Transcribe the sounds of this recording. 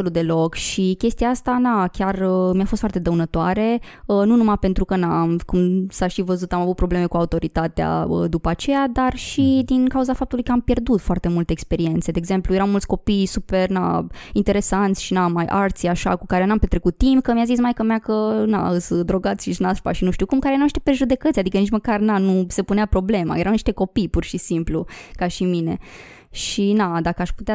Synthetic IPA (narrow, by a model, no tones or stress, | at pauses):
lud̪e̞lo̞kʃikʲest̪ijaast̪anakʲarəmijafost̪fart̪ed̪əwunət̪oaɾe̞ | ənunumape̞nt̪ɾukənamkumsaʃivəzut̪amavut̪̚pɾo̞ble̞me̞kuaut̪o̞ɾit̪at̪ea̰ə̰d̪upəat͡ʃe̞jad̪arʃid̪inkauzafap̚t̪ulujkəampje̞rd̪ut̪foart̪e̞mult̪eːkspe̞ɾie̞nt̪se̞d̪eːɡze̞mplujeɾawmult̪sʲko̞pijsupe̞rna̰int̪e̞ɾe̞sant̪sʲʃinamajʔaɾt̪sʲaʃa̰kukaɾenampe̞t̪ɾekut̪ːimpkəmijazis̬majkəmakəna̰ɨsəd̪ɾo̞ɡat̪sʲʃiʃnaspa̰ʃinuʃt̪ukumkaɾeeɾawmniʃt̪epɾeʒud̪e̞kət̪sʲjad̪ikənit͡ʃməkarnanuse̞puneapɾo̞ble̞ma̰jeɾawniʃt̪e̞ko̞pijpurʃisimplukaʃimine̞ | ʃinad̪akəaʃput̪ea